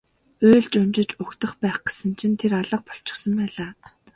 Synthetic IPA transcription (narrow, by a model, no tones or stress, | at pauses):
ʊːɮt͡ɕʊmt͡ɕɪ̆t͡ɕʊkt̪ə̆χpæːχɡe̥sə̆nt͡ɕʰĭnt̪ʰeɾaɮə̆q̚pɔ̥ɬt͡ɕɪ̆χsə̆ŋpæːɮaː